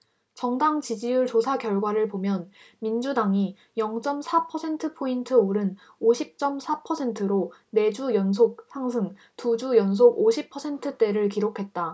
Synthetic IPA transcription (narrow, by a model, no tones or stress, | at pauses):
t͡ɕʌŋdaŋt͡ɕid͡ʑijuɭt͡ɕosʰakjʌɭɡwaɾɯɭpomjʌn | mind͡ʑudaŋi | jʌŋt͡ɕ͈ʌmsʰapʰʌsʰe̞ntʰɯpʰointʰɯoɾɯn | oɕʰip̚t͡ɕ͈ʌmsʰapʰʌsʰe̞ntʰɯɾone̞d͡ʑujʌns̬ʰok̚sʰaŋs̬ʰɯŋ | tud͡ʑujʌns̬ʰoɡoɕʰipʰʌsʰe̞ntʰɯt͈e̞ɾɯɭkiɾokʰe̞t̚t͈a